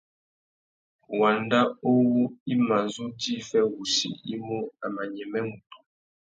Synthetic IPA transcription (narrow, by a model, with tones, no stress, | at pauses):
wa˨nda˦o˦wo˦i˦ma˨nzu˦di˦fɛ˦wu˨sḭ˨i˦mo˦a˨ma˨ɲɛ˨mɛ˦mu˨tu̥˨